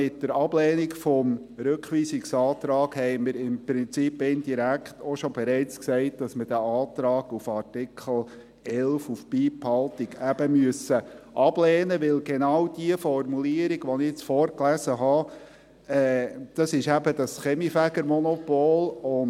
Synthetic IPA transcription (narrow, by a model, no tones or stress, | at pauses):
ɪt̚dəɾɑb̥lɛːnikfɔm | ɾøkχʋiːsiksɑːt̪ɾɑːɡhɛɪməɾɪmpɾɪnt͡sipːɪnd̥iɾækχtɔʃɔbɛɾɛɪt͡sksɛɪt̚d̥ɑsməɾdæɑːt̪ɾɑːɡufɑɾtɪkʰχəl̩ | ɛlfufpiːphɑlt̪iɡæbəmyəsəʔɑb̥lɛːnəʋɪlɡenɑwd̥iəfɔrmuliəɾiɡʋɔnɪt͡sfɔːrklæsəɦɑ | ɛːd̪̥ɑsɪʃæbəd̥ɑsχɛmifæɡəɾmɔnɔpoːlʊn